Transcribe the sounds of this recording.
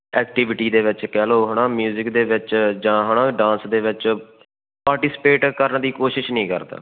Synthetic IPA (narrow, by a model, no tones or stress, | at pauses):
ɛːkʈɪʋɪʈiːd̪eːʋɪt͡ʃkɛːloːɦəɳaːmjuːzɪkd̪eːʋɪt͡ʃd͡ʒãːɦəɳãːɖãːnsd̪eːʋɪt͡ʃ | paːɾʈiːspeːʈkəɾəɳd̪iːkoːʃɪʃnəĩːkə̰ɾd̪a̰ː